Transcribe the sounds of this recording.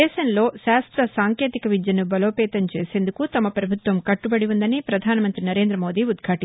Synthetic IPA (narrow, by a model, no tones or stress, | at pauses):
ɛːʃɐnlo̞ːʃaːst̪ɾɐsaːŋkjeːt̪ikɐʋid͡ʒ̪jɐnubɐloːpɛːt̪ɐmt͡ʃeːse̞ːnd̪ukut̪ɐmɐpɾɐbʱut̪ʋɐmkɐʈːubɐɽiund̪ɐnipɾɐd̪ʱaːnɐmɐnt̪ɾinɐɾe̞ːnd̪ɾɐmo̞ːd̪iːud̪ɡʱaːʈi